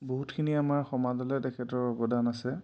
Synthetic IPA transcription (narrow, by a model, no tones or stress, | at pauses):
boɦutkʰiniamaɹxɔmadɔlɛtɛkʰɛtɔɹɔbɔdanasɛ